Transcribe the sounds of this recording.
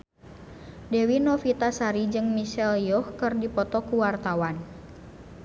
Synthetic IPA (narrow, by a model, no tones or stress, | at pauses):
dɛwinɔfit̪asaɾid͡ʒɨŋmiʃɛljɔhkɨrdipɔt̪ɔkuwart̪awan